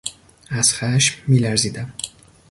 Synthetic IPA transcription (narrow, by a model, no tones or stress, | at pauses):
æz̥xæʃmːiːlæɾziːd̪æm